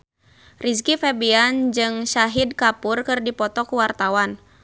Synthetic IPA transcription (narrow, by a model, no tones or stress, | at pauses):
riskifɛbiand͡ʒɨŋʃaɦid̚kapurkɨrdipɔt̪ɔkuwart̪awan